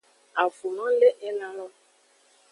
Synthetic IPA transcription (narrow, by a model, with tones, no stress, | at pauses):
a˨fu˨nɔ̃˦le˦ʔɛ˦nã˦lɔ˦